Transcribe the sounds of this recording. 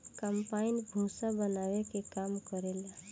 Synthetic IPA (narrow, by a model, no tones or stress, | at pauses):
kəmpainbʱũsabənawekekamkəɾela